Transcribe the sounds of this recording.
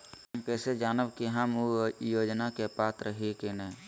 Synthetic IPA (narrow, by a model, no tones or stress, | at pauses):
əmkɛːsed͡ʒaːnəbkiɦəmojoːd͡ʒnakepaːt̪ɾəɦekenɛ̃ː